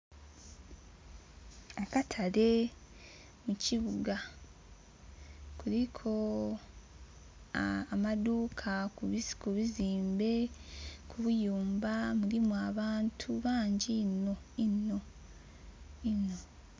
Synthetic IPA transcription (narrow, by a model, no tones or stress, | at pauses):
akatʰale̞ | muciβuɡa | kuɾikʰo̞ | maduːkʰakuβiziːmbe̞kʰuβujuːmbamuɾimwaβaːntʰuβaːɲɟino̞ | ino̞ | ino